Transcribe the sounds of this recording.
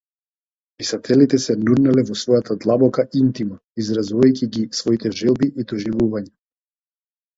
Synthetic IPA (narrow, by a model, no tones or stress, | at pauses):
pisat̪ʰɛlit̪ɛsɛnuɾnalɛvɔsvɔjat̪ʰad̪lˠabɔkaint̪ima | izɾazuvajcʲiɡisvɔit̪ɛʒɛlˠbiʔid̪ɔʒivuvaɲa